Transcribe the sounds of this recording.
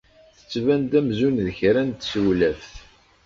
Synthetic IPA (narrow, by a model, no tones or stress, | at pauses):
θə̥t͡sːvænt̪æmzunðəçɾænt̪səwlæfθ